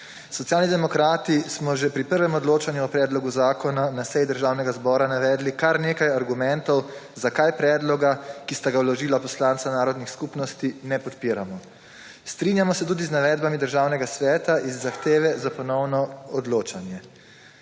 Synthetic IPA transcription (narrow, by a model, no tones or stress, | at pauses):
sɔt̪ijaːlnid̪ɛmɔkɾaːt̪ismɔʒɛpɾipəɾʋɛmɔd̪loːt͡ʃanjuɔpɾɛːd̪lɔɡuzaːkɔnanasɛjd̪əɾʒaːwnɛɡazbɔːɾanaʋɛːd̪likaɾneːkajaɾɡumɛ̃nt̪ɔwzakajpɾɛːd̪lɔɡakist̪aɡawlɔʒiːlapɔslant̪sanaːɾɔd̪nixskupnɔst̪inɛpɔt̪piɾamɔ | st̪ɾinjamɔsɛt̪uːd̪iznaʋɛːd̪̚bamid̪əɾʒaːwnɛɡasʋɛːt̪aʔizːaxt̪eːʋɛzapɔnɔwnɔɔd̪loːt͡ʃanjɛ